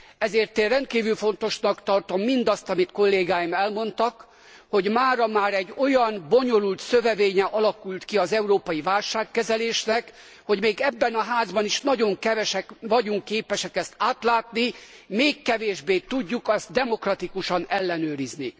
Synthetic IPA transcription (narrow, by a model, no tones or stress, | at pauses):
ɛzeːrt̪eːnrɛnt̪̚kiːvylfo̞n̪t̪o̞ʃnɒkt̪ɒrt̪o̞mːind̪ɒst̪ɒmit̪ko̞lːeːɡaːjimɛlmo̞nt̪ɒk | ho̞ɟmaːɾɒmaːɾɛɟːo̞jɒnbo̞ɲo̞lult̪sø̞vɛveːɲɛʔɒlɒkult̪kiɒzɛuɾoːpɒjivaːlʃaːkːɛzɛleːʃnɛk | ho̞ɟmeːɡɛbːɛnɒɦaːzbɒniʃnɒɟo̞ŋkɛvɛʃɛkvɒɟuŋkːeːpɛʃɛkɛst̪aːt̪laːt̪ni | meːkːɛveːʒbeːt̪uɟːukɒst̪̚d̪ɛmo̞krɒt̪ikuʃɒnɛlːɛnøːɾizni